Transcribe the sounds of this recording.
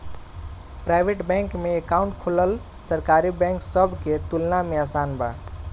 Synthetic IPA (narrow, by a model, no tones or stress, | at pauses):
pɾaɪbʱeʈbɛ̃ŋkmeekaũɳʈkʰoləl | səɾkaɾibɛ̃ŋksəbʱket̪ulnameasanba̰